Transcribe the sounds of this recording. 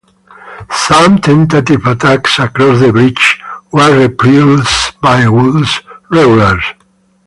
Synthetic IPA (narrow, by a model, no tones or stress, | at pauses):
sãmt̪ʰɛ̃nt̪at̪ivat̪aksakɾɔsðəbɾit͡ʃwəɹipilsbajwulsɹɛɡulaɹ